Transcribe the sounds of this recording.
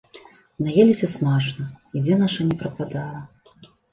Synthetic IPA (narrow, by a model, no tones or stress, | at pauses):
najelʲisʲɐsmat͡ʂnɐid͡zʲɛnaʂɐnʲɛpɾɐkad̪alˠɐ